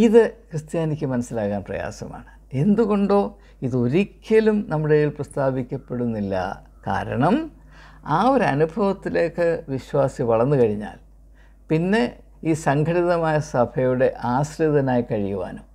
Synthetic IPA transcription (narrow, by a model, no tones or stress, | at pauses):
iðɨkrɨst̪jaːnikʲːɨmɐnɐsːilaːkːaːnprɐ̰ja̰ːsɐma̰ːɳɨ | e̞nd̪uɣo̞ɳɖo̞ː | iðo̞ɾikʲːjɐlumnɐmːuɽejilprɐst̪ʰaːbikʲːɐpːe̞ɽunːilːɐ̰ | ka̰ːɾɐ̰ɳɐm | aːo̞ɾeɐnubʱɐʋɐt̪ːile̞ːkːɨʋiɕwaːsiʋɐɭɐnːukɐɻiɲːa̰ːl | pinːe̞ | iːsɐŋɡʰʱɐɽiðɐmaːjɐsɐbʰʱɐjuɽe̞ʔaːɕriðɐnaːjikɐɻijuʋa̰ːnum